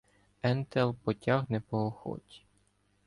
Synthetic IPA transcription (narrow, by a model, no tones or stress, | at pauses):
ɛnt̪ɛlˠpɔtʲaɣnɛpɔɦɔxɔ̰tʲi̥